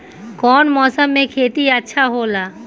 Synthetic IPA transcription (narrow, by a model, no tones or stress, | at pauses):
kɔːnmɔːsəmːẽkʰeːt̪iətːʃʰaɦoːlaː